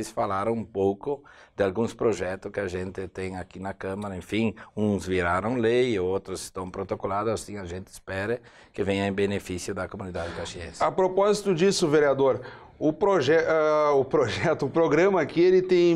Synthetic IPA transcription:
ɪsfalaɾɐ̃w̃ũpowkʊd̪̥ɪalɡũspɾoʒɛt̪ʊskɪaʒẽnt̪ɪt̪ẽj̃akinɐkɐ̃mɐɾɐẽfĩũzviɾaɾɐ̃w̃leowt̪ɾʊsɪ̥st̪ɐ̃w̃pɾot̪okolad̪ʊasĩaʒẽnt̪ɪspɛɾɪ | kɪvẽj̃ɐẽbenefisjʊd̪ɐkomũnid̪ad̪ɪkaʃiḛ̃sɐpɾopɔzit̪ʊd͡ʒisʊveɾiad̪oɾ | ʊpɾoʒɛʔaʊpɾoʒɛt̪ʊʊpɾoɡɾɐ̃mɐakielɪt̪ẽj̃

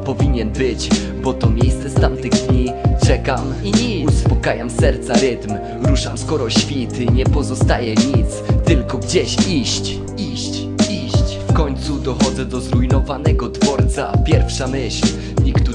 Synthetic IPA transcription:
pɔvʲiɲɛnbɘt͡ɕ | bɔt̪ɔmʲjejst̪sɛst̪amt̪ɘɣd̪ɲit͡ʂɛkam | iiuspɔkajamsɛɾt̪saɾɘt̪m | ɾuʂamskɔɾɔɕfʲit̪ɘɲɛpɔzɔst̪ajɛɲit̪st̪ɘlkɔɡd͡ʑɛɕiɕt͡ɕ | iɕt͡ɕ | iɕt͡ɕfkɔɲt̪sud̪ɔxɔd̪zɛd̪ɔzɾujnɔvanɛɡɔd̪vɔɾt̪sapʲjɛɾfʂamɘɕl | ɲikt̪u

